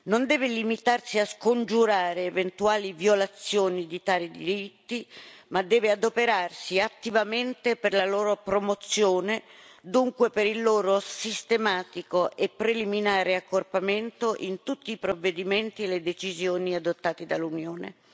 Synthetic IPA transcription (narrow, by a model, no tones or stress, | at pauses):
nond̪ɛːvelimit̪arsiaskond͡ʒuɾaːɾeːvent̪uaːlivjolat̪sːjoːnid̪it̪aːɾid̪ḭɾit̪ːimad̪ːɛːvead̪opeɾarsiat̪ːivament̪eperlaloːɾopɾomot̪sːjoːned̪uŋkwepeɾilːoːɾosist̪emaːt̪ikoʔepːɾeliminaːɾeakːorpament̪oʔint̪ut̪ːiːpɾovːed̪iment̪ieled̪et͡ʃizjoːniad̪ot̪ːaːt̪id̪alːunjoːnḛ